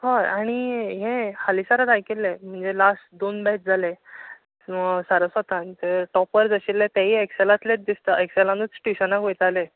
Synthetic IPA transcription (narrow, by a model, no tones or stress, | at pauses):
haɾaɽ̃iɦẽhalisaɾəd̪ajkelːẽm̤əɳd͡zelasʈd̪onbɛʈ̚d͡zʱale | saɾəsət̪ãnt̪əɾʈɔpəɾd͡zəɕilːet̪aɦiːekselat̪let̪̚d̪ist̪əekselãnət͡sʈiɕənakʋejt̪ale